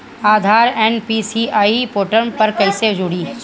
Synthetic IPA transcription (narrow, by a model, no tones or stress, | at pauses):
aːd̪ʱaːɾɛːnpisiaːipoːʈəɾnpɐɾkɐɪsed͡ʒʊːɽiː